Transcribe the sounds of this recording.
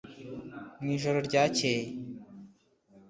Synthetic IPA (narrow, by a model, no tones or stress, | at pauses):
niːʒoɾoɾɟaːceːj